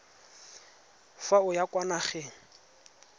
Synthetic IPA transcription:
faʊjakʼwanaχɛ

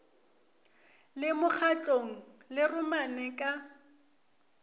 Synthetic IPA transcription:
lɪmʊk͡xʰat͡ɬʼoŋ̩lɪrʊmanɛkʼa

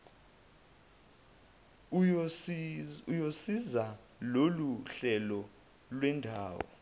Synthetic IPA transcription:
ujosiza | loluɬɛlɔ | lwɛndʱaːwɔ̰

